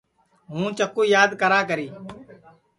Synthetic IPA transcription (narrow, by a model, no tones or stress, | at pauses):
ɦũːt͡ʃəkːuːjaːd̪kəɾaːkəɾiː